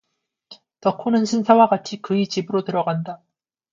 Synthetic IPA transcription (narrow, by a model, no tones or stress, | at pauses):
tʌkʰonɯnɕʰinsʰawaɡat͡ɕʰikɯit͡ɕibɯɾotɯɾʌɡanda